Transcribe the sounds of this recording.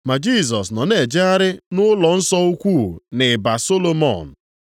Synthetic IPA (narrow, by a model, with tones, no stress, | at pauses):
ma˨d͡ʒi˦˨s̬ɔ˨s̬nɔ˨ne˨d͡ʒɪ˦a˦ɾɪ˦nʊ˦lɔ˨n̩˦sɔ˦u˦kʷu˦˨nɪ˨ba˨so˦lo˦mɔ̰˨n̩˨